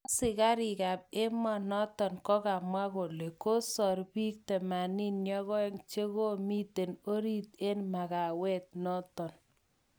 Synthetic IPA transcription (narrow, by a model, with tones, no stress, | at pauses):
sɪ˨ka˦ɾi˨ka˨p̚e˦mɔ˨nɔ˦tɔ˨nkɔ˦ka˨mwa˦ko˨le˨ko˦sɔ˨rpi˦k̚tɛ˨ma˨ni˦nɲɔ˦ɣɔ˦e˦ŋt͡ʃe˦ko˦mi˦te˨no˦ɾi˦t̚e˦nma˨ɣa˨wɛ˦t̚nɔ˦tɔ˨n